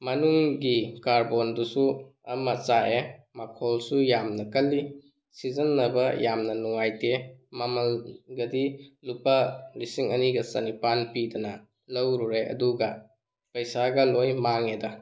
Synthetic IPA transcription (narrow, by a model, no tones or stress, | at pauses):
mɐnuŋɡikaɾbondusuɐ̰mɐt͡ʃaʔe | makʰolsujamnɐkɐlːi | sizɐnːɐbɐjamnɐnuŋajtemɐmɐlɡɐdilupɐlisiŋɐniɡɐsɐ̰nipanpidɐnɐ | lɐwɾuɾeʔɐ̰duɡɐ | pɐjsaɡɐlojmaŋedɐ